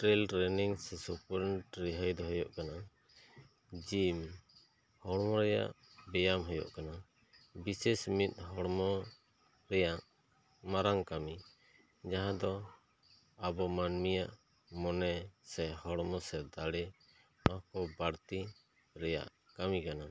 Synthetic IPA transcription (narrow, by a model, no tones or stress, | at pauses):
ʈɾɛlʈɾɛniŋsɛsupɔɾɛɳʈɾiɦəjd̪ɔɦɔjɔʔkana | d͡ʒim | hɔɽmɔɾɛja̰ʔ | bɛjamɦɔjɔ̰ʔkana | bisɛsmit̪̚ˀɦɔɽmɔ | ɾɛjaʔ | maɾaŋkami | d͡ʒaɦãd̪ɔ | abɔmanmijaʔ | mɔnɛsɛhɔɽmɔsɛd̪aɽɛ | ɔhkɔbaɽt̪i | ɾɛja̰ʔ | kamikana